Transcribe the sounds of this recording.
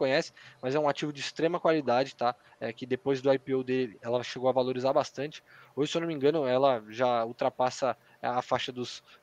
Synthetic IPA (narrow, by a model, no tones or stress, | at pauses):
kõɲɛsɪ̥mɐzɛũat͡ʃivʊd͡ʒɪːst̪ɾẽmɐkwalid̪ad͡ʒɪt̪a | ɛkɪd̪epojzd̪ʊajpiowd̪elɪɛlɐʃeɡowɐvaloɾizaɾbast̪ɐ̃nt͡ʃɪ̥oseownomĩɡɐ̃nʊɛlɐʒauwt̪ɾapasɐ | afaʃɐd̪ʊs